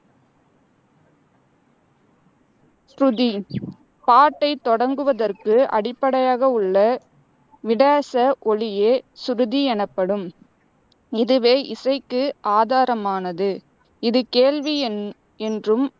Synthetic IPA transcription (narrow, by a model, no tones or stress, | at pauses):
ɾʊði | paːʈːɐɪt̪ːɔɽɐŋɡɯʋɐðɐrkɯʔɐ̰ɽɪpːɐɽɐjaːɣɐɯɭːɐ | ʋɪɽaːsɐʔɔɭɪjeːsʊɾɯðiɛnɐpːɐɽɯm | ɪðɯʋeːʔɪsɐɪkːɯaːðaːɾɐmaːnɐðɯ | ɪðɯkeːɻʋi | ɛndrɯm